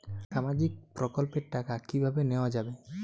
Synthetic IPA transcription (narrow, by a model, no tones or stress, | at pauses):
ʃamad͡ʒik̚pɾɔkɔlpeɾʈakakibʱabeneoad͡ʒabe